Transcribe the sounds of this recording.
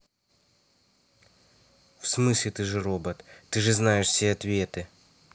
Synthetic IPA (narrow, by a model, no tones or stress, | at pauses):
fsmɨsʲlʲɪt̪ɨʐɨrobət̪ːɨʐɨznajɪʂsʲeɐt̪vʲe̞t̪ɨ